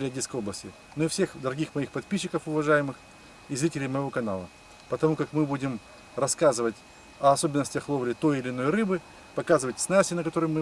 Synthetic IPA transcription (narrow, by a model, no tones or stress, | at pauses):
ɾʲɪɐdʲit̪skəjo̞blˠəsʲtʲɪ | noɪfsʲe̞xd̪əɾɐɡʲixmɐixpɐt̪̚pʲiɕːɪkəfʊvɐʐajɪmɨx | izɾʲitʲɪlʲɪjməjɪvo̞kɐna̰lˠə̰ | pət̪ɐmukakmɨbudʲɪm | rɐskazɨvətʲ | ɐɐso̞bʲɪnːəsʲtʲəxlˠovɾʲɪt̪o̞jɪlʲɪno̞jɾɨbɨ | pɐkazɨvətʲsnasʲɪnəkɐt̪o̞ɾəjmɨ